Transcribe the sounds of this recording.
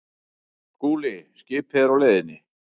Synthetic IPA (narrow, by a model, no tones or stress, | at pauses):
skuːlɪscɪːphɛðɾawleːðɪnːɪ